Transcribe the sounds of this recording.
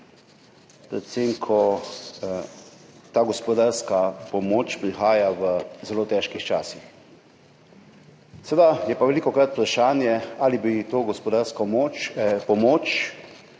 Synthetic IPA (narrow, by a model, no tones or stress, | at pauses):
pɾɛt̪semkʰɔ | t̪aːɡɔspɔd̪aɾskapɔmoːt͡ʃpɾixaːjaʋəzɛloːt̪ɛːʃkixt͡ʃaːsix | sed̪ajɛpaʋɛliːkɔkɾat̪pɾaʃaːnjɛaːlibit̪oːɡɔspɔd̪aɾskɔmopɔmoːt͡ʃ